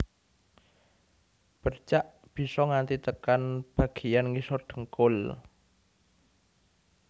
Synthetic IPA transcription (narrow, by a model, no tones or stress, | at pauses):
b̥ə̤rt͡ʃaʔ | b̥i̤sɔŋant̪it̪əkanb̥ä̤ɡ̥i̤janŋisɔrɖ̪̥ə̥̤ŋkʊl